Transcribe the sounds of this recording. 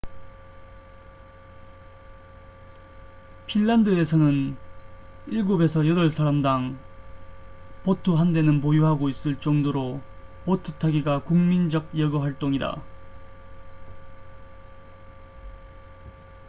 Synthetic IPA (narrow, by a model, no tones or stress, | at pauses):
pʰinːandɯe̞sʰʌnɯn | iɭɡobe̞sʰʌjʌdʌɭsʰaɾamdaŋ | potʰɯɦande̞nɯnpojuɦaɡois͈ɯɭt͡ɕ͈ʌŋdoɾopotʰɯtʰaɡiɡakuŋmind͡ʑʌɡ̚jʌɡʌɸwaɭt͈oŋida̰